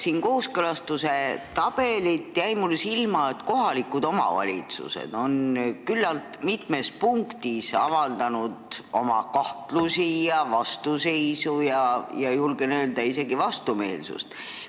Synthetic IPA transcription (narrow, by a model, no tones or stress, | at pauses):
siːnko̞ːskɤlɑst̪use̞t̪ɑb̥e̞lit̪jæjmulsilmɑet̪ko̞ɦɑlikud̪̥o̞mɑ̰vɑ̰lʲḭt̪sṵsḛd̪̥o̞nkylːɑlt̪mit̪me̞spuŋkt̪isɑvɑld̪̥ɑnud̪̥o̞mɑ̰kɑht̪lusijɑvɑst̪use̞jsujɑjɑjulɡenøːld̪̥ɑise̞ɡivɑst̪ume̞̰ːlsṵst̪